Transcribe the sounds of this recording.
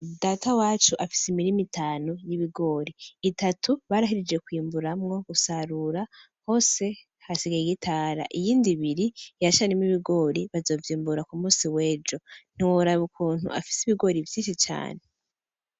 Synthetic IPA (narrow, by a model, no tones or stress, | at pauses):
daːtawaːt͡ʃuʔafi̥simiɾimitʰaːnojiβiɡo̞ːɾiːtatʰuβaːɾaɦiɾed͡ʒɡe̞kwiːmbuɾamŋo̞ɡ̥usaɾuɾa | ho̞ːse̞ | hasiɡajiɡitʰaːɾa̰ʔijiːndiβiɾijat͡ʃanemiβiɡo̞ːɾiβazo̞ːvjiːmbuɾakumuːsiwe̞ːd͡ʒo̞n̥iwoɾaβukuːn̥hṵʔa̰fi̥siβiɡo̞ɾivjiːnʃit͡ʃa̰ːne